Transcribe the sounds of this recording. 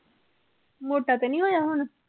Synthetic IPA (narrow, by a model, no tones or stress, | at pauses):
moːʈakenĩɦojaɦunə